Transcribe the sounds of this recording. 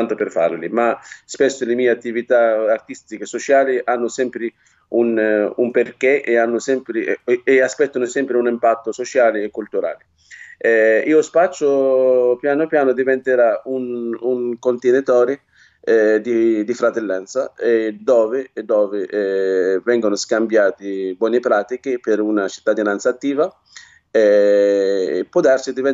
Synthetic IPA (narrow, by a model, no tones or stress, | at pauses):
nt̪opɪrfa̰ɾlimaspɛsːʊlɪmiːeat̪ːivit̪aːrt̪ist̪ikesot͡ʃaːliʔanːʊsɛmpɾɪ | unumperkeʔeanːʊsɛmpɾɪeaspɛt̪ːanʊsɛmpɾɪunimpat̪ːosot͡ʃaːlɪekːult̪uɾa̰ːli | iːospat͡ʃːʊpjaːnʊapjaːnʊd̪ivɛnt̪eɾaunuŋkont̪ɪnɪt̪ɔːɾɪ | ɛd̪id̪ifɾat̪elːɛnt̪saɛd̪ɔːvɪd̪ːɔːvɪɛvɛŋɡonʊskambjaːt̪ɪbwɔːnɪpɾaːt̪ikɪpɪɾunat͡ʃi̥t̪ːad̪inant̪sat̪ːiːva | ɛ | pːɔd̪aɾsid̪ivɛ